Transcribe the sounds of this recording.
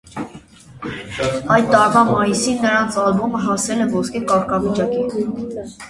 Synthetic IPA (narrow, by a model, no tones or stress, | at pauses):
ɑj̚t̪ɑɾvɑmɑjisinːəɾɑnt͡sʰɑlmuməɦɑsɛlɛvɔskɛkɑɾkʰɑvit͡ʃɑki